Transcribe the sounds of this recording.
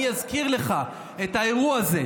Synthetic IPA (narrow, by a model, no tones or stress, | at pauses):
jazkiʁle̞χa | et̪haeʁuaze̞